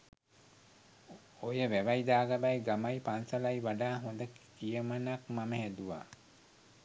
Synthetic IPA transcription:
ojəʋæʋajd̪aːɡabajɡamajpansəlajʋaɖaːɦond̪əkijəmənakmaməɦæd̪uʋa̰

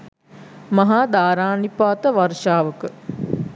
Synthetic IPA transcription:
maɦaːd̪aːɾaːnipaːt̪əʋarʃaːʋəkə

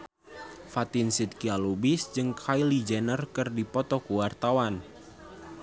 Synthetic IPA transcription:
fat̪insit̪̚kialubisd͡ʒɨŋkʰajlid͡ʒɛnərkɨrdipɔt̪ɔkuwart̪awan

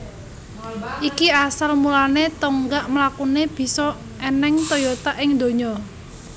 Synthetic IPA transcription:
ʔikiasalmulanet̪ɔŋɡaʔmlakuneb̥i̤sɔ | enɛŋt̪ɔjɔt̪aʔɪŋd̪o̤ɲɔ

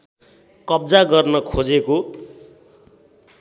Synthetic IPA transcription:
kʌb̚d͡zaɡʌrnʌkʰod͡zeko

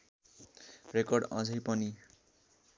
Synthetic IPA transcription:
rekʌrɖʌ̰̃d͡zʌjpʌni

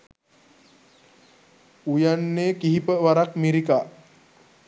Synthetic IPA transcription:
ujanːeːkiɦipəʋaɾakmiɾikaː

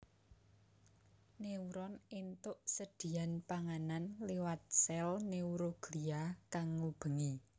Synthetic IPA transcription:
neuɾɔnint̪ʊʔsəd̪̥i̤anpaŋananliwat̪̚sɛlneuɾoɡ̥liakaŋːub̥ə̤ŋi

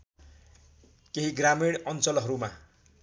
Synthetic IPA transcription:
keɦiɡramiɽʌnt͡sʌlɦʌɾuma

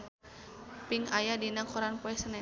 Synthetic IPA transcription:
piŋajadinakɔɾanpɔɛsənɛ

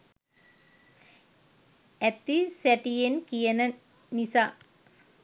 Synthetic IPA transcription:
ɛt̪ːisɛʈijenkijɐnɐ | nisa

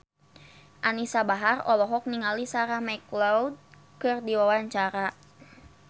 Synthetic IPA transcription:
ʔanisabaɦarɔlɔɦɔk̚niŋalisaɾahmajklawd̚ | kɨrdiwawaɲt͡ʃaɾa

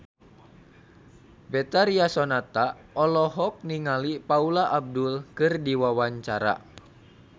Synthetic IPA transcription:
bɛt̪aɾiasɔnat̪a | ɔlɔɦɔk̚niŋalipaulaʔab̚dulkɨrdiwawaɲt͡ʃaɾa̰

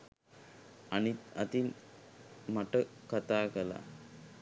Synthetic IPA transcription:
anit̪a̰t̪in | maʈəkat̪aːkəla̰

